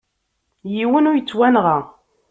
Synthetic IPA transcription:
jiwənʊɾjət͡sːwænʁa

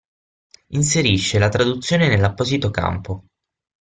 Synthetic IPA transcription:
ins̬eɾiʃːelat̪ɾad̪ut̪sːjoːnenelːapːɔzit̪oka̰mpo

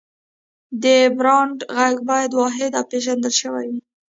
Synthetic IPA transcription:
d̪əbɾɑɳɖɣaɡbɑjad̪wɑɦɪd̪awpeʒand̪əlʃəwa̰ju

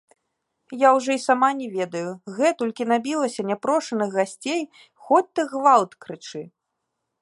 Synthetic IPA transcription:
jawʐɔisamanʲɛvʲɛd̪ɐjuɣɛt̪ɔlʲkʲin̪abʲilˠɐsʲɐnʲapɾɔʂɐnɨɣɣasʲt͡sʲej | xɔt͡sʲt̪ɐɣvalˠt̪kɾɨt͡ʂɨ

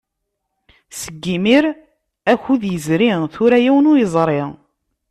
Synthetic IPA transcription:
səɡːimiɾ | æçuðjəzɾiθʊɾæjæwənʊjəzˤɾˤe

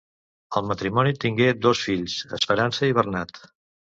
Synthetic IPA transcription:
əlˠmət̪ɾimɔnit̪iŋɡed̪osfiʎsə̰spəɾansəiβ̞ərnat̪

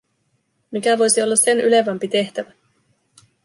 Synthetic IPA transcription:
mikæʋo̞jsio̞lːɑse̞nʔy̰le̞ʋæmpit̪e̞ht̪æʋæ

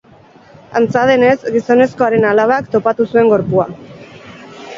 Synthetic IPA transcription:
a̰nt͡saðe̞ne̞zɡiso̞ne̞sko̞aɾe̞nalaβ̞akt̪o̞pat̪usue̞ŋɡo̞ɾpua

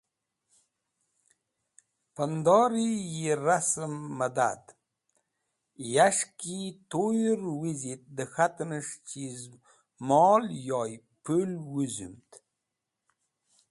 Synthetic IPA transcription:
pənd̪ɑɾijiɾasəmːəd̪a̰d̪ | jaʂkit̪ojɾwizit̪̚d̪əxat̪nəʂt͡ʃiz | mɔljɔj | pulwuzṵmt̪

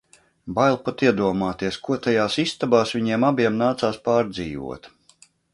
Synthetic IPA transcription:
bajlˠpat̪iɛd̪uɔmaːt̪iɛskuɔt̪ajaːsist̪abaːsʋʲiɲiɛmabiɛmnaːt̪saːspaːɾd̪ziːvṵɔt̪

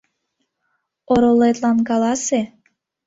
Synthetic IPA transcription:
oɾolet̪lɑnkɑlɑse

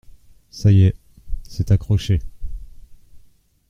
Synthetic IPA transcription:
sajɛ | sɛt̪akχɔʃe

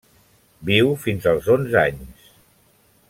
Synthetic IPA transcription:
biwfinzəlˠzonzaɲs

